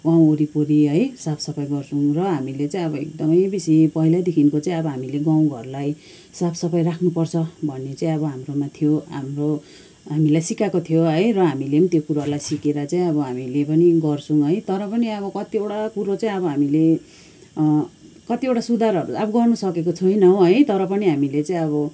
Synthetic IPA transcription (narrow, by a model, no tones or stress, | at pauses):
ɡãw̃oɾipoɾiɦʌjsapʰsʌpʰʌjɡʌrt͡sʰũŋrʌɦamilet͡saĩʌβʌek̚d̪ʌmʌjbisipʌɦilad̪ekʰinkot͡saĩʌbʌɦamileɡãw̃ɡʱʌrlaj | sapʰsʌpʰʌjrakʰnupʌrt͡sʰʌbʱʌnːet͡saĩʌβʌɦamromat̪ʰijoɦa̰mro | ɦamilajsikakot̪ʰijoʌjrʌɦamileʌnit̪jokuɾarlajsikeɾat͡saĩʌβʌɦamilepʌniɡʌrsʰuŋɦʌjt̪ʌɾʌpʌniʌβʌkʌt̪ieʈakuɾot͡saĩʌbʌɦamile | kʌt̪iewʈasud̪ʱaɾʌɾuʌbʌɡʌrnusʌkekot͡sʰujnʌɦõɦʌjt̪ʌɾʌpʌniɦamilet͡saĩʌβʌ